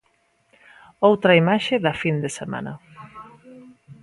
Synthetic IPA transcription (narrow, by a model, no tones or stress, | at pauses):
owt̪ɾɐimaʃeðɐfind̪esemã̰nɐ̰